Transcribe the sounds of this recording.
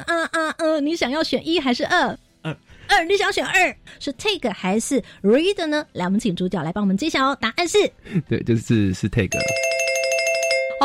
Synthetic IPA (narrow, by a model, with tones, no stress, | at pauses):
ə˥˧ʔa˥˧˥ni˧˥ɕjɑ˨˩ŋjɑ˥˩ʊɕɥɛ˨˩ni˥xa˧˥ɪʂɻ̩˥˧ʔə˥˩˥ | ə˥˩ni˧˥ɕɑ˨˧˥ɕɛ˨˩nʔə˥˩ʂɔ˧˥t̪ʰe˥˧˩ɡə˩xa˧˥ɪʂɻ̩˥˩ɻu˧˥i˥d̪ə˨nə˧la˧˥wɔ˨mə˦nt͡ɕʰi˨˩ŋʈ͡ʂu˧˥t͡ɕjʊla˧˥ɪpɑ˥wɔ˨m˧˦˥ʈ͡ʂɕjɑ˨˩˦t̪a˨˧˦ʔa˥˧nʂɻ̩˥˩t̪we˥˩ɪt͡ɕjo˥˧ɻ̩˥˧ʂɻ̩˥˧t̪ʰe˥˩ɪɡə̰˨˩